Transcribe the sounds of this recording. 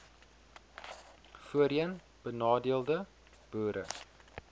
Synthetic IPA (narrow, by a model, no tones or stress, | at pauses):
fuəɾiən | b̥ənɑːdiəlˠdə | b̥uːɾə̰